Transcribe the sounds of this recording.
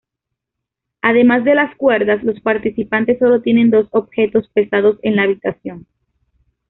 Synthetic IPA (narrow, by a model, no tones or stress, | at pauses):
aðe̞mazðe̞laskwe̞ɾðaslo̞spaɾt̪isipant̪e̞sːo̞lo̞t̪je̞ne̞nd̪o̞so̞bxe̞t̪o̞spe̞sað̞o̞se̞nlaːβit̪asjo̞n